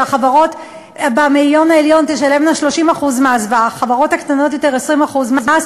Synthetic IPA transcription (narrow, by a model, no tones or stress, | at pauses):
aχavaʁo̞t | bamiljo̞naeljo̞nt̪eʃale̞mlaʃlo̞ʃimaχuzmeazvaaχavaʁo̞thakt̪ano̞t̬jo̞te̞ʁesʁimaχuzmza